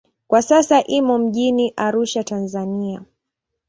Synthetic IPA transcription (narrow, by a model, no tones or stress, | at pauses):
kwasasaʔimɔm̩ʄiniʔaɾuʃatanzania